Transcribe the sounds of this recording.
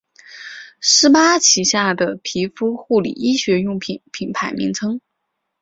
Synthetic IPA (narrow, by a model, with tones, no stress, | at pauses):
ʂɻ̩˥pa˥t͡ɕʰi˨˩ɕja˥˩d̪ə˩pʰi˧˥fu˥xu˥˩lḭ˨˩i˥ɕɥɛ˧˥jʊ˥˩ŋpʰi˨˩npʰi˨˩npʰa˧˥ɪmi˧˥ŋt͡sʰɤ˥ŋ